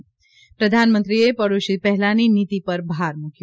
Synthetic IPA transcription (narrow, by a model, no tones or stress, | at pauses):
pɾəd̪ʱanmə̃nt̪ɾiepəɾuʃipɛɦɛlaninit̪ipəɾbʱaɾmukʰj